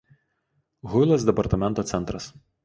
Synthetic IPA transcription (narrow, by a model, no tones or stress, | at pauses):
ɣʊlˠɐsd̪ʲɛpɐɾt̪ɐmʲɛnt̪oːɛnt̪ɾɐs